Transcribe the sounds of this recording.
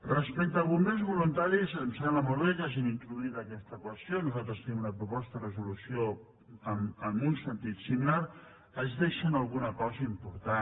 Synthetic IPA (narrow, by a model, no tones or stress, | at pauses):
rəspɛk̚t̪əlˠβumenzβulunt̪aɾismsanləmoɾβekaʒimint̪ɾuðuit̪əkɛst̪əkwəst̪jonuzalˠt̪ɾəst̪ənimunəpɾupɔst̪ərəzulusjo | əməmunsənt̪it̪similaɾ | əzðeʃənalˠɣunəkɔzəimpuɾt̪a